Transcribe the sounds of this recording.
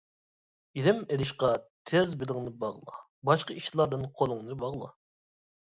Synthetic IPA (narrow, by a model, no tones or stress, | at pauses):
iɾɪmelɪʃqɑt̪ʰɛzbɪlˠɪŋnɨbɑʁlˠɑ̰ | bɑʃqɑiʃlˠɑɾd̪ɨnqʰolˠʊŋnɨbɑʁlˠɑ̰